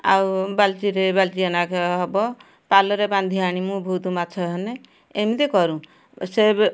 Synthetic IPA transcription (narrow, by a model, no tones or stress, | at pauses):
a̰wbalt͡ʃiɾebalt͡ʃianakʰeɦɔbɔ | palɔɾeband̪ʱiaɽ̃imũbʱud̪umat͡ʃʰɔɦɔne | emid̪ekɔɾũ | seb